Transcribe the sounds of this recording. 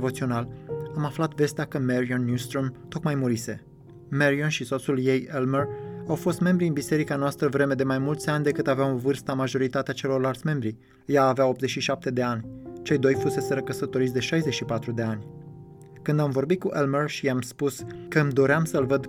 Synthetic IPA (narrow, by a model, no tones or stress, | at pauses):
vo̞t̪sio̞nalamaflat̪ve̞st̪eakəmeɾionːjust̪ɾomt̪o̞k̪majmuɾise̞ | meɾionʃiso̞t̪sulje̞jelmərawfo̞st̪me̞mbɾiɨnbise̞ɾikanoast̪ɾəvɾe̞me̞d̪e̞majmult̪sʲanʲd̪e̞kɨt̪aveawovɨrst̪amaʒo̞ɾit̪at̪eat͡ʃe̞lo̞rlalt̪sʲme̞mbɾi | jaːveao̞p̚t̪zet͡ʃʃiʃap̚t̪e̞d̪e̞anʲt͡ʃe̞jd̪o̞jfuse̞seɾəkəsət̪o̞ɾit̪sd̪e̞ʃajze̞ʃipat̪ɾud̪e̞anʲ | kɨnd̪amvo̞rbit̪̚kuʔelmərʃiamspuskəmd̪o̞ɾeamsəlvəd̪